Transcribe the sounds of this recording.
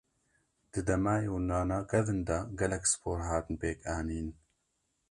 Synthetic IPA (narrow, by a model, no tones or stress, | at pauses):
d̪̥ɨd̪ɐmaːjoːnaːnaːkɛðɨnd̪ɐɡɛlɛksɨ̥pʰoːɾɦaːt̪ɨnpeːkaːniːn